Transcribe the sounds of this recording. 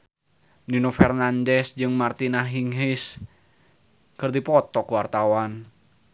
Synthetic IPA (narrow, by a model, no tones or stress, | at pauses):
ninofɛrnandɛsd͡ʒɨŋmart̪inaɦiŋɦis | kɨrd̪ipɔt̪ɔkuwart̪awan